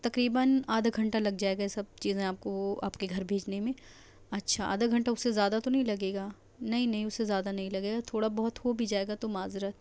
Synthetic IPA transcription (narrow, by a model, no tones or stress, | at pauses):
t̪ɐkɾiːbənaːd̪ʱɡʱɐ̃ɳʈalɐɡd͡ʒaːeːɡaesɐb̚t͡ʃiːzẽaːp̚koa̰ːpkeɡʱɐɾbʱeːd͡ʒnemẽː | ɐtːʃʰaa̰ːd̪aɡʱɐ̃ɳʈaʊsːezjaːd̪at̪onɐɦĩlɐɡeːɡaː | nɐɦĩnɐɦĩʊsːezjaːd̪anɐɦĩlɐɡeːɡat̪ʰoːɽabɔɦɔt̪hobʱid͡ʒaːeːɡat̪omaːzɪɾət̪